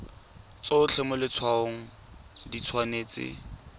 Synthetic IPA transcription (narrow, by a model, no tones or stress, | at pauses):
t͡soʊt͡ɬʰɛmʊlɪt͡sʰwaoŋ̩ | dit͡sʰwaneːt͡sɪ̰